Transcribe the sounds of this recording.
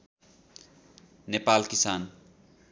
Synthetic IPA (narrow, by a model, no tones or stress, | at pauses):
nepalkisan